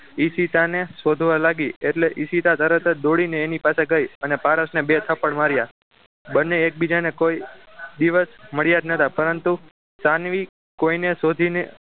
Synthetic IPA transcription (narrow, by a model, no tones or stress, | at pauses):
isit̪anesod̪ʱʋalaɡieʈleʔisit̪at̪əɾət̪ʰəd̪oɽineːnipaseɡəjənepaɾəsnebet̪ʰəpəɳmaɾja | bənːeːk̚bid͡ʒanekoid̪iʋəsməɭjad͡ʒnət̪ʰapəɾənt̪u | sanʋi | koinesod̪ʱine